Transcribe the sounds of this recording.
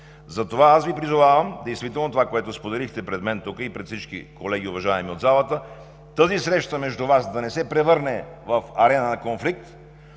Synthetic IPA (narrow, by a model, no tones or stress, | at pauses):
zɐt̪ovaasvipɾizovavəmd̪ɛjst̪vit̪ɛlˠnot̪ovakoɛt̪ospod̪ɛlixt̪ɛpɾɛd̪mɛnt̪ukəipɾɛt̪fsit͡ʃkḭkolɛɡ̟ʲiʊvɐʒaɛmiod̪zalˠət̪ə | t̪əzisɾɛʃt̪əmɛʒd̪uvasd̪ɐnɛsɛpɾɛvɤɾnɛvɐfɐɾɛnənɐkonflik̚t̪